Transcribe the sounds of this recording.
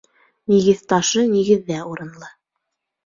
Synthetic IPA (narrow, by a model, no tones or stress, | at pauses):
niɡɘðt̪ɑʃɤniɡɘ̆ðːæuɾɤ̆nlˠɤ